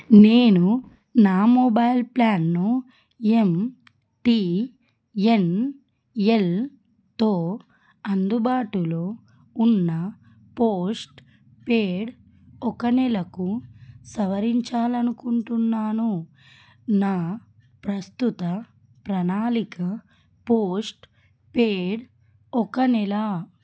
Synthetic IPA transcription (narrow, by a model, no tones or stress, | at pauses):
ne̞ːnu | naːmobɐjlplaːnːu | e̞m | ʈi | e̞n | e̞l | t̪oː | ɐnd̪ubaːʈuloː | unːɐ | poːsʈ | peːɽ | ɔkɐnɛlɐkusɐʋɐɾiɲt͡ʃaːlɐnukuɳʈunːaːnu | naː | pɾɐst̪ut̪ɐ | pɾɐnaːlikɐ | poːsʈ | peːɽ | ɔkɐnɛla